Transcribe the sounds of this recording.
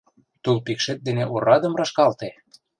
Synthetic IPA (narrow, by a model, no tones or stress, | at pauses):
t̪ulpikʃet̪̚d̪eneʔoɾɑd̪ə̆mrɑʃkɑlt̪e